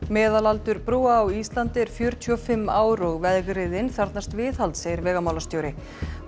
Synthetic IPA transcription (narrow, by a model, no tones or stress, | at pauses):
mɛːðalalt̪ʏɾpɾuːaːwist̪lant̪ɪɾ̥fjœɾt̪ʰyɔfɪmːaːwɾɔɣvɛðɣɾɪðɪnθaɾt̪nast̪vɪːðhalt̪seːjɪɾvɛːɣamawlast̪jowɾɪ